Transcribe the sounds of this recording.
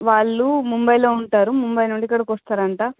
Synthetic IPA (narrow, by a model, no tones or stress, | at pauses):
ʋaːɭːumumbɐjlo̞ːuɳʈaːɾumumbɐjnuɳɖikːɐɽɐkʋɔst̪aːɾɐɳʈaː